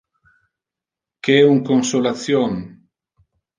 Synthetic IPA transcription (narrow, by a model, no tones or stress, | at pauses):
keɛuŋkonsolat̪sjoŋ